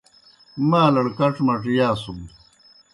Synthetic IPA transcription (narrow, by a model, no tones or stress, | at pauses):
maːlɐɽkɐʈ͡ʂmɐʈijaːsum